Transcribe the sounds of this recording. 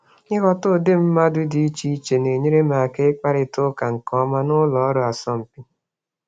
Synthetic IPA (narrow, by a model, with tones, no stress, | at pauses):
ɪ˦ɣɔ˦tʊ˦˨dɪ˦m̩˦ma˦dʊ˦dɪ˨i˦t͡ʃi˦i˦t͡ʃe˨ne˨ɲe˦ɾe˦ma˨a˨ke˦k͡pa˦ɾɪ˨tʊ˦ka˨ŋ̩˨kɔ˦ma˦nʊ˦lɔ˨ɔ˦ɾo˨a˨sɔ˦m̩˨pi˦